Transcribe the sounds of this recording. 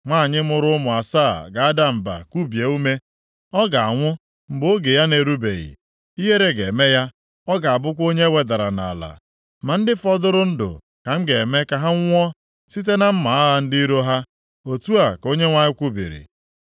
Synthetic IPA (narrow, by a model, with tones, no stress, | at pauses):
ŋʷa˦˨ɲɪ˦mʊ˨ɾʊ˦ʊ˦mʊ˨a˨sa̰ː˦˨ɡa˨a˦da˦m̩˨ba̰˨kʷu˦bje˨u˦me˦ | ɔ˦ɡa˨a˨ŋʷʊ˦ | m̩˨bo˦ɡe˨ja˦ne˨ɾu˦bḛ˨ɣḭ˨ | i˦ɦe˦ɾe˦ɡe˨me˦ja˦ | ɔ˦ɡa˨a˨bʊ˦k̬ʷo˦ɲe˦we˨da˨ɾa˨na̰˨la̰˨ | ma˨n̩˦dɪ˦fɔ˦dʊ˦ɾʊ˦n̩˦dʊ̰˨ | ka˨m̩˦ɡe˨e˨me˦ka˨ɦa˦ŋʷ˦ɔ˦ | si˦t̬e˦na˦m̩˦ma˨a˦ɦa˨n̩˦di˦i˦ɾo˦ɦa˦ | o˨tu˦a˨ko˦ɲe˦ŋʷa˦ɲɪ˦kʷu˦bḭ˨ɾḭ˨